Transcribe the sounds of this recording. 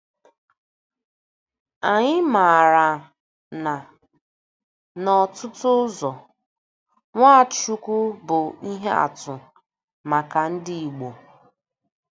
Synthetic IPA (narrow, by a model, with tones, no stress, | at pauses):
a˨ɲɪ˦ma˨ɾa˨ | na˨ | nɔ˨tʊ˦tʊ˦zɔ˨ | ŋʷa˦˨t͡ʃu˦ku˦bʊ˨i˦ɦe˦a̰˨tʊ˨ | ma˨ka˨n̩˦dɪ˦i˨ɡ͡bo˨